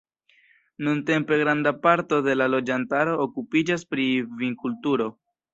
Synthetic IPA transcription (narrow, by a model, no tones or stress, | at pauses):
nunte̞mpe̞ɡɾandapaɾto̞de̞lalo̞d͡ʒantaɾo̞ːkupid͡ʒaspɾiviŋkultuɾo̞